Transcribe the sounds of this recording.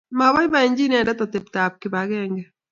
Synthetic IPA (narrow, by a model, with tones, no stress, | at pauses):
ma˨βa˦jba˨e˨ɲd͡ʒi˦n˦a˨dɛ˦tɔ˨te˨p̚ta˨p̚kɪ˨ba˨ɣɛŋɡɛ